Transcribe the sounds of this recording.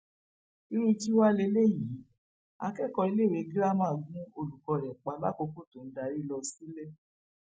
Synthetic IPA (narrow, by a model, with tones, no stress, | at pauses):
i˧ɾu˧d͡ʒi˦wa˦le˧le˦˨ji˨˦ | a̰˧kɛ˦˨kɔ˧i˧le˦˨ɾe˧ɡi˦la˦mãː˦˨ɡũ˦o˧lu˨kɔ˧˨ɾɛ˨k͡pa˨˧˦la˦ko˧ko˦˨to˨n̩˦da˨ɾi˦lɔ˧si˦le˦